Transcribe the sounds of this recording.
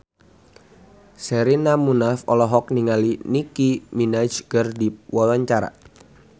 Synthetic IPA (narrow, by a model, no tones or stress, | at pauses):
sɛɾinamunafɔlɔɦɔk̚niŋalinikiminad͡ʒɡərdiwawaɲt͡ʃaɾa̰